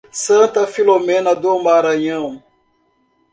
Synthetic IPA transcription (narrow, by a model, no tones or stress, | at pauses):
sɐ̃nt̪ɐfilomẽnɐd̪omaɾɐ̃ɲɐ̃w̃